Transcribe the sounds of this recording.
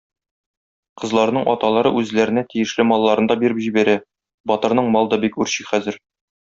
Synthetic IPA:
qɤ̆zlˠɑɾnɤɴʔɒt̪ɑlˠɑɾɤʔʉzlæɾɘ̆næt̪ijɘ̆ʃlɘmɒlˠːɑɾɤnd̪ɑbiɾɘpʑibæɾæ | bɒt̪ɤ̆ɾnɤɴmɒlˠɤd̪ɑbikʉɾɕiχæzɘɾ

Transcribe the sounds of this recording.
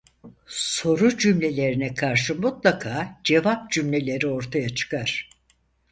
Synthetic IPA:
so̞ɾud͡ʒymlʲe̞lʲe̞ɾinɛkʰaɾʃɯmut̪lˠakʰaːd͡ʒe̞vap̚d͡ʒymlʲe̞lʲe̞ɾio̞ɾt̪ʰajat͡ʃʰɯ̥kʰaɾ̥

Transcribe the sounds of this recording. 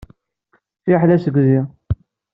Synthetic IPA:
θiħlæsəɡzi

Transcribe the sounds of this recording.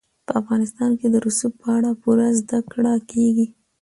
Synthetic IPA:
pəafɣɑnɪst̪ɑnked̪əɾusup̚pəaɽapuɾazd̪akɽɑkʰeɡi

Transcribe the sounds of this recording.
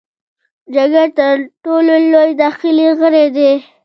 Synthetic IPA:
d͡ʒaɡaɾt̪əɾʈololojd̪ɑxɪliɣəɾed̪e

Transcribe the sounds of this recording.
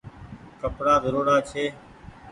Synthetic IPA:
kəpɽaːzəɾoːɽaːt͡ʃʰeː

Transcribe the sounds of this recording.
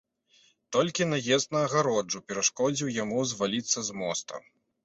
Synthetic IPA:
t̪ɔlʲkʲinɐjɛst̪nɐːɣaɾɔd͡ʐupʲɛɾaʂkɔd͡zʲiwjamuzvalʲit̪sːɐzmɔst̪ɐ̰m

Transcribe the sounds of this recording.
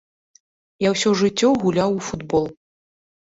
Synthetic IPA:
jawsʲɔʐɨt͡sʲːɔɣulʲawufud̪bɔlˠ

